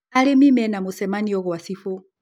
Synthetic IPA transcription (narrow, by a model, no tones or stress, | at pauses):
alemimɛnamosɛmaniɔɣwasifo